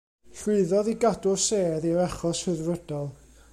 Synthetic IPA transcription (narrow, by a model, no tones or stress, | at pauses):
ɬwɪɨðɔðiɡadʊrseːðiɾɛχɔshəðvəd̥ɔlˠ